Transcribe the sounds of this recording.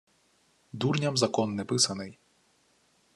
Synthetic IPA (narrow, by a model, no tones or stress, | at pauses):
d̪urnʲɐmzɐkɔnːɛpɪsɐnɪj